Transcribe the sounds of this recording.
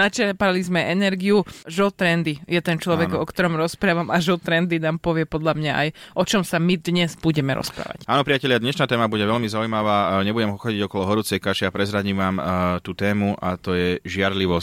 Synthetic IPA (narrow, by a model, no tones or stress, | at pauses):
nat͡ʃɛpalizmɛʔɛnɛɾɡiuʒɔt̪ɾɛnd̪ijɛt̪ɛnt͡ʃlɔʋɛɡɔkt̪ɔɾɔmɾɔspɾaːʋamaʒɔt̪ɾɛnd̪inaːmpɔʋɪɛpɔd̪ʎamɲaʔajʔɔt͡ʃɔmsamid̪ɲɛzbuɟɛmɛɾɔ̰spɾa̰ːʋa̰caːnɔpɾiacɛʎɪad̪ɲɛʃnaːt̪ɛːmabuɟɛʋɛʎmizaujmaʋaːɲɛbuɟɛmɦɔxɔɟiɟɔkɔlɔɦɔɾuːt͡sɛjkaʃiapɾɛzɾaɟimʋaːmt̪uːt̪ɛːmuʔat̪ɔjɛʒɪaɾliʋɔs